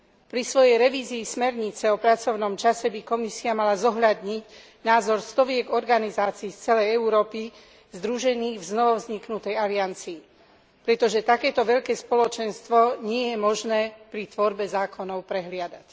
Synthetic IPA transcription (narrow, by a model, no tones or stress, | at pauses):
pɾisʋɔjɛjɾɛʋiːziːsmɛɾɲit͡sɛɔpɾat͡sɔʊnɔmt͡ʃasɛbikɔmisiamalazɔɦʎad̪ɲic | naːzɔɾst̪ɔʋɪɛɡɔɾɡanizaːt͡siːft͡sɛlɛjɛuɾɔːpi | zd̪ɾuʒɛniːɣvznɔʋɔvzɲiknut̪ɛjaliant͡siː | pɾɛt̪ɔʒɛt̪akɛːt̪ɔʋɛʎkɛːspɔlɔt͡ʃɛnst̪ʋɔɲɪɛjɛmɔʒnɛːpɾit̪ʋɔɾbɛzaːkʰɔnɔʊpɾɛɦlɪad̪ac